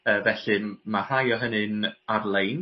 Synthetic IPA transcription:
əːvɛɬɨmar̥ajɔɦənɨnarlˠejn

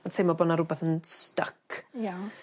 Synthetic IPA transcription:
ɔnsʰejmɔbɔnaɾʊbɛθənstəkʰja

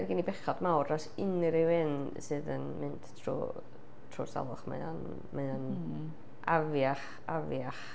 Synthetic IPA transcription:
ɛrɡinibɛχɔdmawrɔsɪnɨɾɪwɨn | sɨðə̰nmɨnd̥tʰrṵː | tʰrṵsa̰lˠʊ̰χma̰a̰n | maan | ʔavjaχ | avjaχ

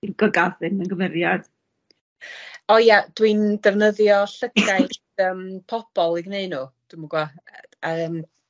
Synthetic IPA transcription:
iɡ̥ɔɡaðɨnənɡəmɪɾjad̥ | ɔjad̥windɛvnəðjɔɬəkʰaj | əːmpʰɔb̥ɔlˠiɡneɨnuːd̥umuɡwa | aəːm

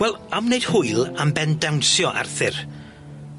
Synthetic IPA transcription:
wɛlˠamnejd̥hʊɨlˠambɛndawnsjɔʔa̰rθɪr

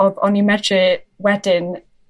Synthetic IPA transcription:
bɔnimɛdrɪwɛdɪn

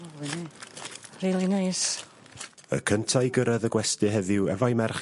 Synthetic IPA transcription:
riːlˠinajs | ə̰kʰəntʰajɡəɾəðəɡwɛstɨɦɛðɪwɛvajmɛrχ

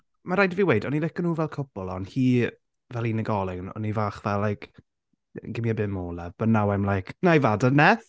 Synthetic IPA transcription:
maɾajdiviwejdɔnilɪkənuːvɛlˠkʰʊb̥ɔlˠɔ̰nhiː | vɛlˠinəɡɔlˠɪnɔ̰nivaːχvɛlːajkʰ | ɡɪmjabɨmoːlɛb̥ənːawajmlˠajkʰnajvadənɛθ

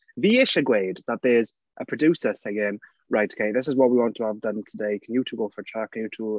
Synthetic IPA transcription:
viːɪʃəɡweːdðət̪̚ðəz | ʔəpʰɹ̥ədjuːˑsəseɪɪ̃n | ɹaɪtʰə̥kʰeɪðɪs̬ɪzwɒʔ̚wiwɒ̃ntʰəəvdə̃ntʰədeɪkʰə̃njətʰuɡoːfə˞ətʰɹ̥akʰə̃njətʰu

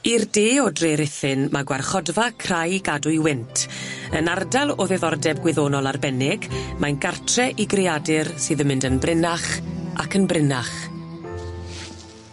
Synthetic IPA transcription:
irdeːɔdreɾɪθɨnmaɡwarχɔdvakʰrajɡadʊjwɪntʰənardalˠɔðɛðɔrdɛbɡwɪðoːnɔlˠarbɛnɪɡmajnɡartʰrɛʔiɡrɪadɪrsɨːðəmɪndənbrɪnaχakʰənbrɪnaχ

